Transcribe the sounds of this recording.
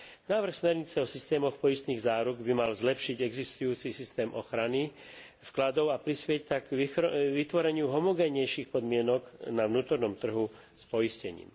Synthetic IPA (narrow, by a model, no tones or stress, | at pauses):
naːʋr̩xsmɛɾɲit͡sɛɔsist̪ɛːmɔxpɔjist̪niːɣzaːɾuɡbimalzlɛpʃiɟɛɡzist̪ujuːt͡sisist̪ɛːmʔɔxɾani | fklad̪ɔʊapɾispɪɛc̚t̪aɡʋit̪ʋɔɾɛɲɪuɦɔmɔɡɛɲɛjʃiːxpɔd̪mɪɛnɔɡnaʋnuːt̪ɔɾnɔmt̪r̩ɦu | spɔjiscɛɲḭːm